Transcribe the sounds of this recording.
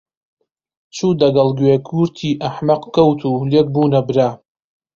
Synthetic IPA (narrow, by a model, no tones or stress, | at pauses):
t͡ʃʰuːd̪ɐɡɐlɡweːkʰuɾt̪ʰiːʔaħmɐqkʰɐwt̪ʰulek̚buːnɐbɾaː